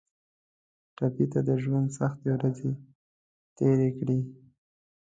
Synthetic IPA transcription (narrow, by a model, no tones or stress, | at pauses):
ʈapit̪ad̪əʒwand̪saxt̪ewɾaze | t̪eɾekɽi